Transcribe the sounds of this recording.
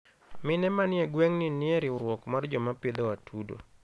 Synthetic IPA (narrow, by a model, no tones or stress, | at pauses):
mɪnɛmanɪɛɡwɛŋnɪnɪɛɾɪʊɾwɔkmard͡ʒɔmaped̪oatʰudo̰